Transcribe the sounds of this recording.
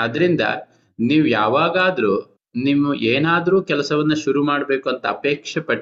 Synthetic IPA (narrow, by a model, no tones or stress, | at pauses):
ɐd̪ɐɾind̪ɐ̰ | niːʋujaːʋaːɡaːd̪ɐɾuː | nimːuʔeːnaːd̪ɐɾuːkɛlɐsɐʋɐnːuʃuɾumaːɽbe̞ːkuɐnt̪ɐɐpeːkʂɐpɐʈː